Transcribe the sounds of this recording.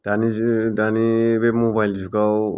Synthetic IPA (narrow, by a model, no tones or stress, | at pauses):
d̥̪anidanibemobajld͡ʒukaw